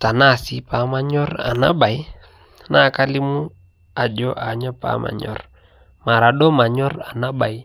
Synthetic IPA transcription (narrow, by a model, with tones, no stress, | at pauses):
ta˨na˦si˨pa˨ma˦ɲɔ˦ra̰˨na̰˦ɓa˨j | na˦˨ka˦li˦mu˦ | a˨d͡ʒɔ˦ʔa˨ɲɔ˦pa̰˦ma̰˨ɲɔ̰˦r | ma˨ɾa˨ɗɔ˦ma˨ɲɔ˦ra˨na˦ba˨i˦